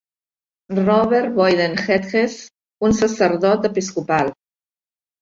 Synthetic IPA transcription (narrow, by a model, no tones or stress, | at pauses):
rɔβeɾβɔjðenxet̪ɣes | unsəsəɾðɔt̪əpiskupal